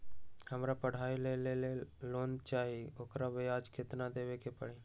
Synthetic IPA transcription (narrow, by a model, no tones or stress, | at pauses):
həmɾapəɽ̤aːileleleloːnt͡ʃaːɦioːkɾabəjaːd͡ʒkɪt̪nad̪eːʋekepəɽiː